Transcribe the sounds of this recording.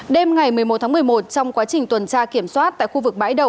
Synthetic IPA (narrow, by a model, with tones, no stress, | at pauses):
ɗe˧mŋa˨˩jmɨ˨˩əjo˨˩t̪̚ʰaː˨˦m˨˩əjmo˨˩t̚t͡ɕɔ˧wŋ͡mkwaː˨˦t͡ɕï˨˩ŋ̟t̪wə˨˩nt͡ɕaː˧ki˧˩əmswaː˦˥t̚t̪a̰ː˧˨jxu˧vɨ˨˩k̚ɓa̰ː˧˥jɗə˨˩w